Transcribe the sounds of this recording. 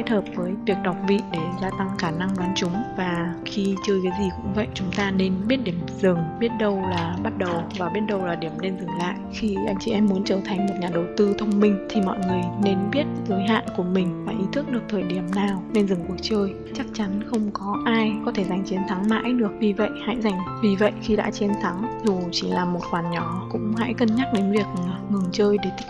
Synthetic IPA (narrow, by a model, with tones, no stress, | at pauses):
e˦˥t̚həː˨˩p̚vəː˨˦jvi˨˩ək̚ɗɔ˨˩wk͡p̚vḭ˧˨ɗe˧˩zaː˧t̪a˧ŋxaː˧˩na˧ŋɗwaː˨˦nt͡ɕʊ˨˦ŋ͡mvaː˨˩xi˧t͡ɕɨ˧kaː˨˦jzi˨˩kʊ̰˧˥ŋ͡mvə̰˧˨jt͡ɕʊ˨˦ŋ͡mt̪aː˧ne˧nɓi˦˥ət̚ɗi˧˩əmzɨ˨˩ŋɓi˦˥ət̚ɗə˧wlaː˨˩ɓa˦˥t̚ɗə˨˩wvaː˨˩wɓi˦˥ənɗə˧wlaː˨˩ɗi˧˩əmne˧nzɨ˨˩ŋla̰ː˧˨jʔxi˧ʔa˧˩jmt͡ɕi˧˩ʔɛ˧mːu˨˦nt͡ɕəː˧˩t̪ʰa˨˩jŋ̟mo˨˩t̚ɲaː˨˩ɗə˨˩wt̪ɨ˧t̪ʰə˧wŋ͡mmï˧ŋ̟t̪ʰi˨˩mɔ̰˧˨jŋɨ˨˩əjne˧nɓi˦˥ət̚zəː˨˦jɦa̰ː˧˨nku˧˩əmï˨˩ŋ̟faː˨˩jʔi˨˦t̪ʰɨ˦˥k̚ɗɨ˨˩ək̚t̪ʰəː˨˩jɗi˧˩əmnaː˨˩wne˧nzɨ˨˩ŋku˨˧˩ət͡ɕəː˧j | t͡ɕa˦˥k̚t͡ɕa˨˦nxə˧wŋ͡mkɔ˨˦ʔaː˧jkɔ˨˦t̪ʰe˧˩za˨˩jŋ̟t͡ɕi˨˦ənt̪ʰa˨˦ŋma̰ː˧˥jɗɨ˨˩ək̚vi˨˩və̰˧˨jha̰˧˥jza˨˩ŋ̟vi˨˩və̰˧˨jxi˧ɗa̰ː˧˥t͡ɕe˧˦nt̪ʰa˨˦ŋzu˨˩t͡ɕi˧˩laː˨˩mo˨˩t̚xwaː˨˩nɲɔ˧˩kʊ̰˧˥ŋ͡mɦa̰˧˥jkə˧nɲa˦˥t̚ɗe˨˦nvi˨˩ək̚ŋɨ˨˩əŋt͡ɕəː˧jɗe˧˩t̪